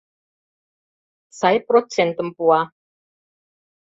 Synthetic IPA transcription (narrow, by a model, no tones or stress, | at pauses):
sajpɾo̥ʒ̥ɛnt̪əmpua